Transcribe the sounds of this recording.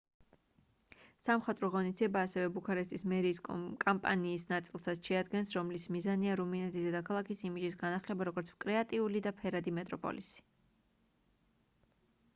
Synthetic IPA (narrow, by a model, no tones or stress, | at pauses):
samχat̪ʼɾɔʁɔnisd̪iɛbaːsɛvɛbukʰaɾɛst̪ʰʼismɛɾiːskʼampʼa̰niːsnat̪sʼilˠsat̪sʃɛad̪ɡɛnsɾɔmlismizaniaɾuminɛt̪ʰisd̪ɛd̪akʰalˠakʰisimid͡ʒisɡanaχlɛbaɾɔɡɔɾt̪sʰkʼɾɛat̪ʼiulid̪apʰɛɾad̪imɛt̪ʼɾɔpʼɔ̰lisi̥